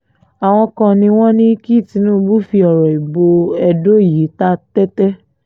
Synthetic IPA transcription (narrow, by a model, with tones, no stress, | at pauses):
a˨w̃ɔ̃˧kã˧nĩ˧w̃ɔ̃˦nĩ˦ki˦˨ti˨˧˦nũː˦˧bu˦fi˧ɔ˨ɾɔ˨i˨bo˧ɛ˧do˦˨ji˨˦ta˦tɛ˦tɛ˦